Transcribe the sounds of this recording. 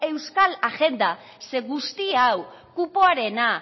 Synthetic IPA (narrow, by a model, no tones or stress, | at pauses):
e̞wskalaɣe̞nd̪a | se̞ɣust̪iaw | kupoaɾe̞na